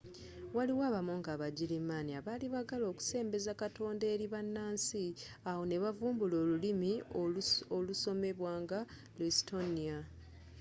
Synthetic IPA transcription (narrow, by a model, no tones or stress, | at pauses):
waliwaːβamuŋɡaβaɟilimaniaβaliβaɡalo̞ːku̥se̞ːmbe̞zakatʰo̞ːndeːɾiβanːaːnsi | awo̞ne̞βavuːmbulo̞ːlulimi | oluso̞me̞βwaːŋɡa | listo̞nia